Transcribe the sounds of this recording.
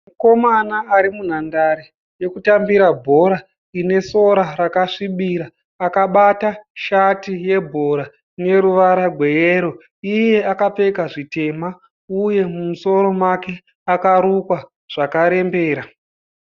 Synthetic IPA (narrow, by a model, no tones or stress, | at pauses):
muko̞manaːɾimun̤andaɾe | je̞kutambiɾabʱo̞ɾa | ine̞so̞ɾaɾakaʂiɓiɾaː | kaɓataʃatije̞bʱo̞ɾa | ine̞ɾuʋaɾaɡʱwe̞jeɾo̞ | ije̞akape̞kaʐite̞ma | uje̞mumuso̞ɾo̞make̞ | akaɾukwa | ʐ̥akaɾe̞mbe̞ːɾa